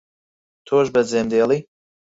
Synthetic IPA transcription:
t̪ʰoːʒbɐd͡zeːmd̪eːlˠi

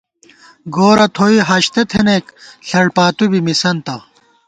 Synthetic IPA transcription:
ɡoːɾɐt̪ʰoiɦɐɕt̪et̪ʰeneːkɬɐɽpaːt̪ubimisɐnt̪ɐ

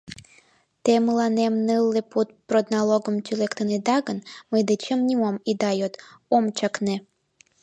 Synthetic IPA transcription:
t̪eməlɑnemnɨlːeput̪̚prod̪nɑloɡəmt̪ʲylekt̪əned̪ɑɣənməjd̪et͡ɕəmnʲimomid̪ɑjot̪omt͡ɕɑkne

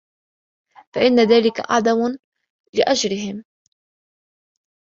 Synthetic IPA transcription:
faʔɪnːaðaːlɪka̰ʔa̰ʕd̪am | lɪʔad͡ʒɾɪɦɪm

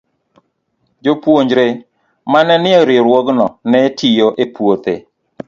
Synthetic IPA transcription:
d͡ʒopwoɲd͡ʒɾe | manɛnɪɔɾɪɾwɔɡnɔnɛtʰijoʔepwot̪e

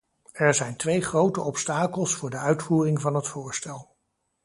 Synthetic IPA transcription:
ɛɹzɛjntʋejχrowtəʔɔpstaːkəlˠsfʊːɹdəœɥtfuːrɪŋvɑnɦətfʊːɹstɛlˠ

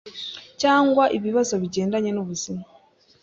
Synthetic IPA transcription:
caːŋɡwaʔiβiβazo̞βiɟe̞ːndaɲe̞noβuzima

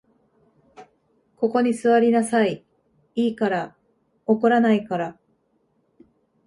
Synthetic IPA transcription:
ko̞ko̞ɲ̟isɨβaɾʲinasai | iːkaɾa | oko̞ɾanaikaɾa

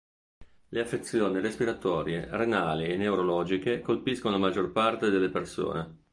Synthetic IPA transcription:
leafːet̪sːjoːniɾespiɾat̪ɔːɾjerenaːlienːewɾolɔːd͡ʒikekolpiskonolamad͡ʒːorpart̪ed̪elːeperso̰ːne

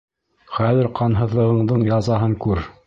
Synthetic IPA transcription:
χæðɘ̆ɾqʰɑnɦɤ̆ðlˠɤ̆ʁɤ̆ɴd̪ɤɴjɑzɑɦɤŋkʉɾ

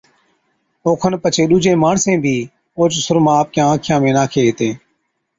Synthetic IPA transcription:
oːkʰənpət͡ʃʰeːɗuːd͡ʒʱẽːmaːɳsẽːbʱiː | oːt͡ʃsʊɾmãːp̚kjãːãːkʰɪjãːmẽːnaːkʰeːɦɪt̪ẽː

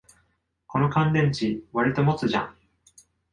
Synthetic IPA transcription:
ko̞no̞kãnd̪ẽ̞ɲ̟t͡ɕiβaɾʲit̪o̞mo̞t͡sɨʑã̰ŋ

